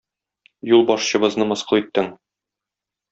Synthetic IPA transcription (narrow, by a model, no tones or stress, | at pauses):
julˠbɒʃɕɤ̆bɤ̆znɤmɤ̆sqɤlˠit̪ːɘŋ